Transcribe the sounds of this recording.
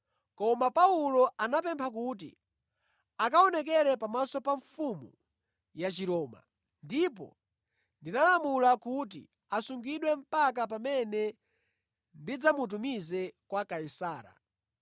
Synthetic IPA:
kɔmapaulɔʔanapɛmpʰak̬ut̬ḭ | akaɔnɛk̬ɛɾɛpamasɔpaɱfumṵ | jat͡ʃiɾɔːma̰ | ndip̬ɔ̰ | ndinalamulakut̬ḭ | asuŋɡiɗwɛm̩pak̬ap̬amɛnɛ | ndid͡zamut̬umizɛkwakaisaːɾa̰

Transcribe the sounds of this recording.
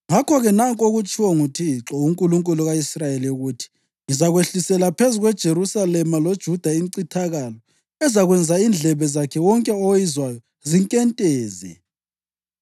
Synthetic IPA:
ŋakʰɔɣɛnaŋkʼoɣut͡ʃʼʰiwɔŋutʰiǁɔuŋkʼuluŋkʼuluɣaisrajeliuɣutʰi̥ | ŋizaɣweɬisɛlapʰezuɣwɛd̥ʒ̥ʱeɾusalɛmalod̥ʒ̥ʱud̥ʱaiŋǀitʰaɣalɔ | ɛzaɣwɛnd͡zʱaind͡ɮʱɛβɛzakʰɛwɔŋkʼɛɔwjizwajɔ | ziŋkʼɛntʼɛːzɛ̰

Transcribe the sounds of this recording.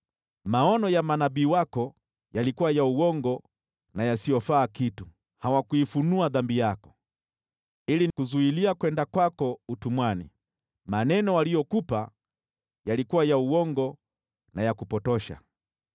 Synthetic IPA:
maɔnɔjamanaɓiːwakɔ | jalikuwajauwɔŋɡɔ | najasijɔfaːkitu | hawakuifunuaðambijakɔ̥ | ilikuzuiliakwɛndakwakɔutumwanḭ | manɛnɔwalijɔkupa | jalikuwajauwɔŋɡɔ | najakupɔtɔʃa̰

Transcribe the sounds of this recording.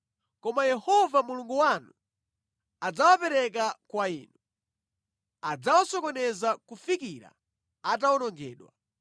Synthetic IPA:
kɔmajɛhɔvamuluŋɡuwanu | ad͡zawapɛɾɛkakwaiːnu | ad͡zawasɔkɔnɛzakufikiɾa̰ | at̬awɔnɔŋɡɛːɗwa

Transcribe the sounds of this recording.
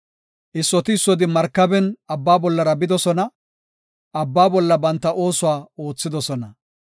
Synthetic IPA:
ʔɪsːɔt̪ɪːsːɔd̪ɪmɐɾkːɐbɛnɐbːaːbɔlːɐɾɐbɪd̪ɔsɔnɐ | ʔɐbːaːbɔlːɐbɐnt̪ːɐʔo̞ːsʊwaːo̞ːt͡sːɪd̪ɔsɔnɐ

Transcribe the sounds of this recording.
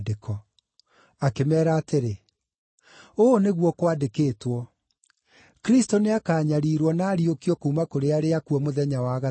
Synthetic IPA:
dekʰɔ | akemɛːɾaːteɾe | oːneɣwɔkwadekeːtwɔ | kɾistoneakaːɲaɾiːɾwɔnaːɾiokiɔkoumakoɾeaɾeakuɔmoðɛɲawaɣa

